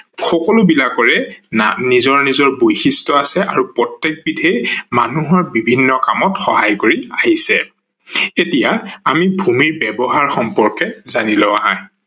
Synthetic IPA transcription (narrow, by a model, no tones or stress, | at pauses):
xɔkɔlʊbilakɔɹɛnizɔɹnizɔɹbojxistɔasɛʔaɹupɹɔtːek̚bidʱejmanuɦaɹbibʱinːɔkamɔtxɔɦajkoɹiaɦisɛ | etijaamibʱumiɹbɛbɔɦaɹxɔmpɔɹkɛzanilɔaɦãj